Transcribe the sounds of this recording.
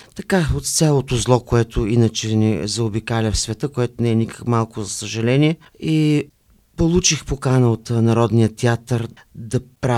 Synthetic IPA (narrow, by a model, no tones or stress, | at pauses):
t̪ɐkaot̪t̪sʲalˠot̪ozlˠɔkoɛt̪ʊinət͡ʃɛnɛ̰zɐobikalʲɐfsvɛt̪əkoɛt̪ʊnɛɛnikə̥kmalˠkʊzɐsəʒɐlɛniɛ | i | polˠut͡ʃixpokanəot̪nɐɾɔd̪nijət̪ɛat̪əɾ | d̪ɐpɾa